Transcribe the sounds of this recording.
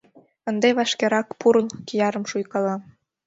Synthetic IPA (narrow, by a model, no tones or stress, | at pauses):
ə̆nd̪eβɑʃkeɾɑkpuɾəlkijɑɾə̆mʃujkɑlɑ